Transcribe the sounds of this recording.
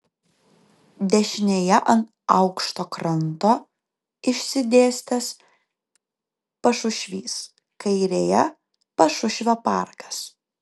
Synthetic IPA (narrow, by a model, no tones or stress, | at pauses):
d̪ʲɛʃʲɪnʲeːjɛʔɐnt̪ | ɐʊkʃt̪oːkɾɐnt̪oː | ɪʃʲsʲɪd̪ʲeːsʲt̪ʲɛs | pɐʃʊʃʲʋʲiːs | kɐɪɾʲeːjɛ | pɐʃʊʃʲʋʲoːpɑˑɾkɐ̥s